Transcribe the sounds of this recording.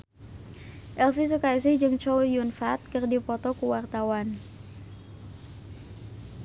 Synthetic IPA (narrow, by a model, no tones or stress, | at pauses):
ʔɛlfis̬ukais̬ɪhd͡ʒɨŋt͡ʃɔjunfat̪̚kərdipɔt̪ɔkuwart̪awan